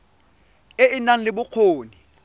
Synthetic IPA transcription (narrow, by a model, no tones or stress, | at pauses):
ɪɪnaŋ̩lɪbʊq͡χʰoːni